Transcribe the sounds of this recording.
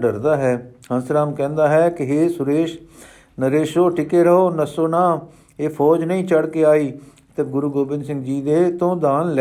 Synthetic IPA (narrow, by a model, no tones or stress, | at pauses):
ɖəɾd̪aːɦɛːhənsɾaːmkɛ̃ːnd̪aːɦɛːkɪɦeːsʊɾeːʃ | nəɾeːʃoːʈɪkeːɾəɦoːnəsoːnãː | eːpʰɔːd͡ʒnəĩːt͡ʃəɽkeːaːiː | t̪əɡʊɾuːɡoːbɪ̃nsɪ̃ŋɡd͡ʒiːd̪eːt̪õːd̪aːnl